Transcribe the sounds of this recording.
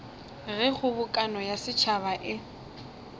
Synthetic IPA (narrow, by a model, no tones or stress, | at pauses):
ɣɛχʊbʊkʼanɔjasɪt͡ʃʰaβaʔɪ